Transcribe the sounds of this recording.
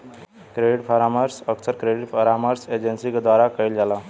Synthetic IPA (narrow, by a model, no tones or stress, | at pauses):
kɾeɖiʈfʰaɾaməɾsəksəɾkɾeɽiʈfʰəɾaməɾsed͡ʑensikd̪ʋaɾakəild͡zala